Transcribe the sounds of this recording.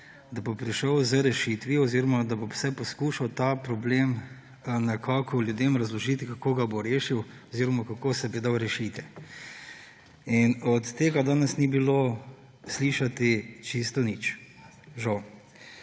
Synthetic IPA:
d̪abopɾiʃəwzəɾɛʃit̪ʋiɔziːɾɔmad̪abowsɛpɔskuːʃawt̪apɾɔbleːm | nakʰaːkʰɔlʲjud̪emɾɐzlɔʒiːt̪ikakoːɡaboɾeːʃiwɔziːɾɔmakakoːsɛbid̪awɾɛʃit̪ɛ | inɔt̪ːeːɡad̪aːnɛsnibilo | sliːʃat̪it͡ʃist̪ɔnit͡ʃ | ʒaw

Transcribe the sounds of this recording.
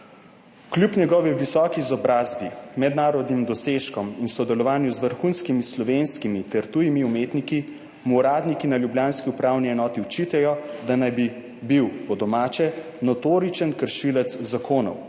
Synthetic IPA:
klʲjupɲɛɡɔːʋiʋisɔːkiːzɔbɾaːzbimɛd̪naːɾɔd̪nimd̪ɔseʃkɔminsɔd̪ɛlɔʋaːnjuzʋəɾxunskimislɔʋenskimit̪ɛɾt̪ujimiumeːt̪niki | muːɾaːd̪nikinaljubljaːnskiupɾaːwniɛnɔːt̪iut͡ʃit̪ɛjɔd̪anajbi | biwpɔd̪ɔmaːt͡ʃɛ | nɔt̪oːɾit͡ʃənkəɾʃilɛt̪zzakʰoːnɔ̰w

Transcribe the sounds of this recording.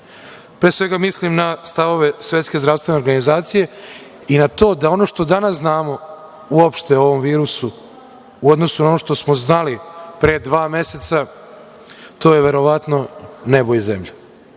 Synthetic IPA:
pɾesʋe̞ɡamislimnast̪aʋo̞ʋe̞sʋje̞t̪ske̞zd̪ɾast̪ʋe̞ne̞o̞ɾɡanizaːt̪sije̞ | inat̪o̞ːd̪ao̞no̞ʃt̪o̞d̪anasznaːmo̞ | uopʃt̪eoʋo̞mʋiːɾusu | uo̞d̪no̞sunao̞noʃt̪o̞smo̞znalipɾed̪ʋaːme̞se̞t̪sa | t̪o̞ːjeʋe̞ɾo̞ʋat̪no̞nebojzemʎa

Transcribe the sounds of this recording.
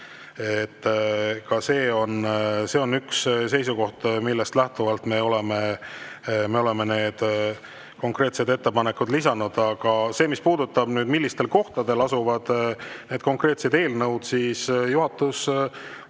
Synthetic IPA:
et̪ːkɑse̞ːo̞nse̞o̞nːyksse̞jsuko̞ht̪milːest̪læht̪uvɑlt̪me̞o̞le̞me̞ | me̞o̞le̞me̞ne̞ːd̪̥ | ko̞ŋkre̞ːt̪sed̪e̞t̪ːe̞pɑnekːud̪lisɑnud̪̥ɑɡ̥ɑse̞ːmispuːd̪ut̪ːɑb̥nyːd̪milːist̪e̞lko̞ht̪ɑd̪e̞lɑsuvɑd̪̥ne̞ːd̪̥̚ko̞ŋkre̞ːt̪se̞d̪e̞ːlnɤwd̪̥siːsjuɦɑt̪ːˑus

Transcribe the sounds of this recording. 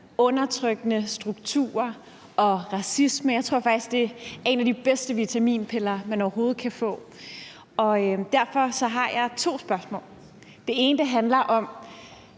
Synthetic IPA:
ɔ̽nɐt͡sʰʁœɡ̥ənəsd̥ʁuɡ̥̚t͡sʰṵːɐ | ɒ̽ʁɑ̈sisməjɑɪt͡sʰʁo̝ɐ̰fɑɡ̥d̥isɡ̥̚d̥e̝ɐe̝næd̥ib̥esd̥əʋit͡sʰæmḭːnpʰelɐːmænɒʊɐɦo̝ːð̞̩ˠkʰæfɔ̰̽ː | ɒ̽d̥æɐ̰fɒ̽sɒ̽ɦɑ̈jɑ̈ɪt͡sʰo̝̰ːsb̥ɶɐsmɔ̰̽ːl | d̥e̝e̝ːnəd̥əɦænlɐʔɒ̽m

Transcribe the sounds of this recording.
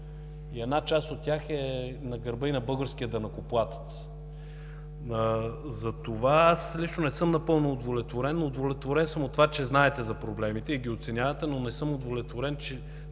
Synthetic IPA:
iɛd̪nat͡ʃast̪ot̪̚tːʲaxɛnɐɡɐɾbəinɐbɤɡəɾsk̟ijəd̪ɐnɐkoplˠat̪ə̥t̪s | əzɐt̪ovaaslʲit͡ʃnonɛsɤmnɐpɤlˠnoːd̪volɛt̪voɾɛnːod̪volɛt̪voɾɛnsɤmot̪ːovat͡ʃɛznaɛt̪ɛzɐpɾoblɛmit̪ɛiɡʲiot̪sɛnʲavɐt̪ɛnonɛsɤmod̪volɛt̪voɾɛnt͡ʃɛ

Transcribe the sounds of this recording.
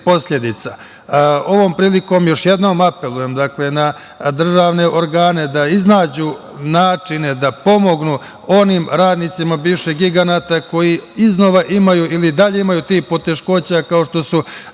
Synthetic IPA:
po̞sʎe̞d̪it̪sa | o̞ʋo̞ːmpɾiːliko̞ːmjo̞ʃje̞d̪no̞ːmape̞lˠuje̞md̪akle̞na | d̪r̩ʒaːʋne̞ʔo̞ɾɡaːne̞d̪aiznaːd͡ʑu | naːt͡ʂine̞d̪apo̞mo̞ɡnu | o̞nimɾaːd̪nit̪simabiːʋʃeɡiɡanat̪ako̞jiizno̞ʋaʔimajuʔilid̪aʎe̞imajut̪iːxpo̞t̪e̞ʃko̞t͡ɕakao̞ʃt̪o̞su

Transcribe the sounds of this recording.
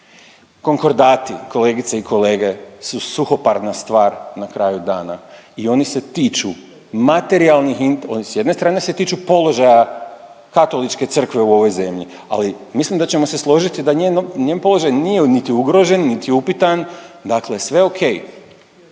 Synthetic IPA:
ko̞ŋko̞ɾd̪aːt̪ḭko̞le̞ɡit̪seikʰo̞le̞ːɡe̞susuxo̞paɾnast̪ʋaːɾnakɾaːjud̪aːna̰ | io̞nise̞t̪iːt͡ʃu | mat̪e̞ɾialˠnixino̞nisje̞d̪nest̪ɾaːne̞se̞t̪iːt͡ʃupo̞lo̞ʒaja | kat̪o̞lit͡ʃke̞t̪sr̩kʋe̞uo̞ʋo̞jze̞mʎḭ | a̰limislimd̪at͡ɕe̞mo̞se̞slˠo̞ʒit̪id̪aɲenoɲempo̞lˠo̞ʒajnije̞nit̪iuɡɾo̞ʒe̞nːit̪iupit̪and̪akle̞sʋe̞okʰe̞j

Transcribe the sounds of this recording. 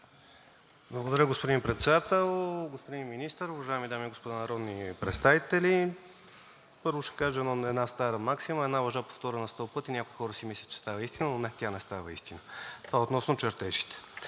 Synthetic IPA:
blˠɐɡod̪ɐɾʲəɡospod̪impɾɛt̪sɛd̪at̪ɛlˠɡospod̪inminist̪əɾʊvɐʒaɛmid̪amiɛɡospod̪anɐɾɔd̪nipɾɛt̪st̪avit̪ɛli | pɤɾvʊʃɛ̥kaʒɛnoɛd̪nast̪aɾəmaksiməɛd̪navɐʒapo̥ft̪ɔɾənɐst̪ɔpɤt̪inʲakojxɔɾəsimislʲət͡ʃɛ̥st̪avəist̪inənonɛt̪ʲjanɛst̪avəḭst̪inət̪ovaot̪nɔsnot͡ʃɛɾt̪ɛʃi̥t̪ɛ̥

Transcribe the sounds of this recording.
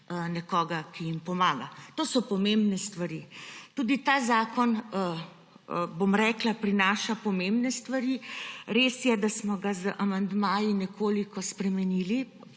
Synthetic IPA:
nɛkɔːɡakijimpɔmaːɡat̪oːsɔpɔmembnɛst̪ʋaɾit̪uːd̪it̪aːzaːkɔn | bomɾɛːklapɾinaːʃapɔmembnɛst̪ʋaɾiɾeːsjɛd̪asmɔɡazəʔamand̪maːjinɛkʰoːlikɔspɾɛmɛniːli

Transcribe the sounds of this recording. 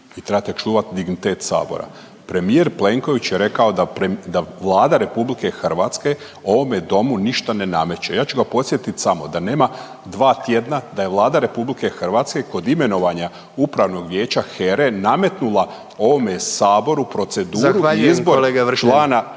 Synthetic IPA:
it̪ɾebat̪et͡ʃuːʋat̪d̪iɡnit̪e̞ːt̪sa̰ːbo̞̰ɾa̰ | pɾe̞mieɾple̞ŋko̞ʋit͡ɕjeɾe̞kao̞d̪aɾed̪aʋlˠaːd̪aɾe̞publike̞xrʋaːt̪ske̞ | o̞ʋo̞med̪o̞muniʃt̪ane̞name̞t͡ɕejaːt͡ɕuɡapo̞t̪sje̞t̪it̪samo̞d̪ane̞ːma | d̪ʋaːt̪je̞d̪nad̪ajeʋlˠaːd̪aɾe̞publike̞xrɾʋaːt̪ske̞ko̞d̪ime̞no̞ʋaɲa | upɾaʋno̞ɡʋje̞ːt͡ɕaxeɾename̞t̪nulˠa | o̞ʋo̞mesaːbo̞ɾupɾo̞t̪se̞d̪uːɾuaiizboleɡaʋt͡ʃlˠaːna

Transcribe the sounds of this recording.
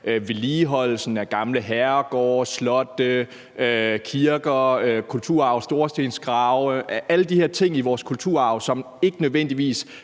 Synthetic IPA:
øʋe̝liːɦɒ̽l̰lsn̩æɡ̥ɑ̈mləɦæɐɡ̥ɒ̰ːslɒ̽d̥ə | økʰiɐɡ̥ɐøkʰult͡sʰuɐ̰ɑ̈ʊsd̥o̝ɐsd̥e̝ːnsɡ̥ʁɑ̈ʊʔæləd̥ihɛɐt͡sʰe̝ŋ̰iʋɒːskʰult͡sʰṵɐ̰ɑ̈ʊsɒ̽m | e̝ɡ̥ənøðˠʋen̰d̥iʋḭːs

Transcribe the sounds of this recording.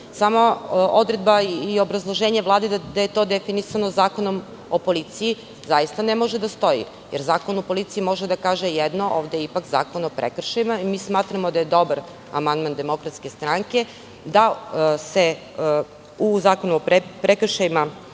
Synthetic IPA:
samo̞od̪ɾe̞d̪baio̞bɾazlˠo̞ʒe̞ːɲeʋlˠaːd̪ed̪aje̞t̪o̞ːd̪efinisano̞zaːko̞no̞m | opo̞lit̪siji | zajist̪anemo̞ʒed̪ast̪o̞jḭ | jeɾzaːkonopo̞lit̪siimo̞ʒed̪akaːʒejɛd̪no̞ʔoːʋd̪ejipakza̰ːko̞nopɾḛkr̩ʃajimaimiːsmaːt̪ɾamo̞d̪aje̞d̪o̞baɾ | a̰mand̪mand̪e̞mo̞kɾat̪ske̞st̪ɾaŋke̞ | d̪ase̞ | uzaːko̞nuopɾepɾekr̩ʃajima

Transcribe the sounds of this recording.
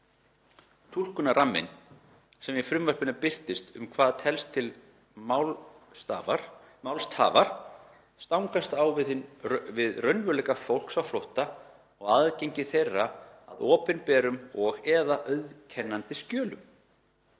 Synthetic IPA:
t̪ʰul̥kʏnaɾamːɪ̰n | sɛmjɛfɾʏmvar̥pʏnapɪr̥t̪ɪst̪ʏmkʰvaːðat̪ʰɛlst̪ʰːɪl | mawlst̪ʰa̰ːvaɾ̥ | st̪awŋkast̪awvɪðɪnvɪðrœɥnvʏlɛkafowl̥ksawflowht̪a | ɔɣaðceɲcɪθejrːaa̰ðɔːpɪnpɛːɾʏmɔɣɛːðaʔœɥðcʰɛnːant̪ɪscœːlʏ̰m

